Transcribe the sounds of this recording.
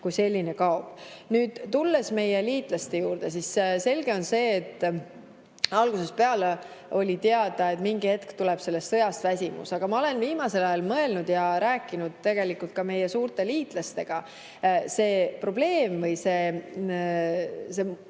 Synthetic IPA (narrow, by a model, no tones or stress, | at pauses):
kujse̞lʲːine̞kɑob̥nyːd̪̥t̪ulːe̞sme̞jeliːt̪ˑlɑst̪ejuːɾd̪̥e̞s̬isse̞lʲɡe̞o̞nse̞ːt̪ːˑ | ɑlɡ̥use̞speɑle | o̞lʲit̪eɑd̪̥ɑe̞t̪miŋɡihe̞t̪kt̪ule̞b̥se̞lːe̞st̪sɤ̞jɑst̪væsʲimṵsɑɡ̥ɑmɑo̞le̞nviːmɑse̞lɑjɑlmɤ̞e̞lnud̪̥jɑɾæːkːˑinud̪̥̚t̪e̞ɡ̥e̞likult̪̚kɑme̞jesuːɾt̪ˑe̞liːt̪ˑlɑst̪e̞ɡ̥ɑ | se̞ːpro̞b̥le̞ːmvɤjse̞ | se